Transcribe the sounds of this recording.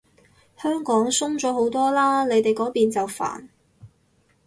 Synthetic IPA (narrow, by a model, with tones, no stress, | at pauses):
hœː˥ŋkɔː˨˥ŋsʊ˥ŋt͡sɔː˨˥ho˨˥wt̪ɔː˥laː˥ne˨˧jt̪e˨jkɔː˨˥piː˨nt͡sɐ˨wfa̰ː˨˩n